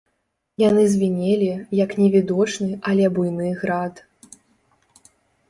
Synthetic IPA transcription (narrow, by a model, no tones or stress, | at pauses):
janɨzʲvʲinʲelʲijɐknʲɛvʲid̪ɔt͡ʂnɨʔɐlʲɛbujnɨɣɾat̪